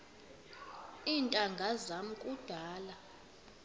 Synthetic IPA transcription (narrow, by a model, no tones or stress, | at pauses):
intʼaŋɡʱazamukʼud̥ʱaːla